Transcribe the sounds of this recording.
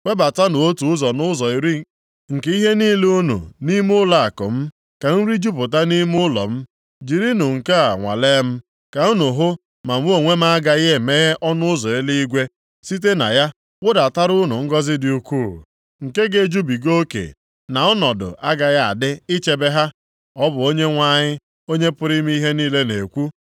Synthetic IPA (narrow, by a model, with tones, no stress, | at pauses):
we˦ba˨ta˦nʊ˨o˦tu˨ʊ˦zɔ˨nʊ˦zɔ˨i˨ɾi˦ | ŋ̩˨ke˦i˦ɦe˦niː˦lo˦nṵ˨ni˦mʊ˦la˨a˨kʊ̰˨m̩˦ | ka˨n̩˦ɾi˦d͡ʒu˦pʊ˨ta˦ni˦mʊ˦lɔ̰˨m̩˦ | d͡ʒi˨ɾi˦nʊ˨ŋ̩˨ka˦a˨ŋʷa̰˨le˦m̩˦ | ka˨u˦nʊ˨ɦʊ˦ | ma˨m̩˦o˦˨ŋʷe˦m̩˦a˦ɡa˨ɣe˦˨me˦ɣe˦ʔɔ˦nʊ˦ʊ˦zɔ˨e˦li˦i˦ɡʷe˦ | si˦t̬e˦na̰˨ja˦ | wʊ˦da˨ta˦ɾʊ˦nʊ˨ŋ̩˦ɡɔ˦zɪ˦dɪ˨u˨kʷu˦˨ | ŋ̩˨ke˦ɡe˦˨d͡ʒu˦bi˨ɡo˦kḛ˨ | na˨ɔ˦nɔ˨dʊ̰˨ʔa˦ɡa˨ɣa˦a̰˨dɪ˦ɪ˦t͡ʃe˨be˦ɦa˦ | ɔ˦bʊ˨o˦ɲe˦ŋʷa˦ɲɪ˦ | o˦ɲe˦pʊ˦ɾɪ˦m˦i˦ɦe˦niː˦le˦ne˨kʷu˦